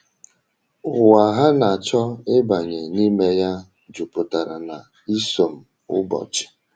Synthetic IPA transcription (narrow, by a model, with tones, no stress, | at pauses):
ʊ˨wa˨ɦa˦na˨a˨t͡ʃɔ˦ɪ˦ba˨ɲe˨ni˦me˦ja˦ | d͡ʒʊ˨pʊ˨ta˨ɾa˨na˨ | i˦so˨m̩˨ | ʊ̰˦bɔ̰˨t͡ʃɪ̥˨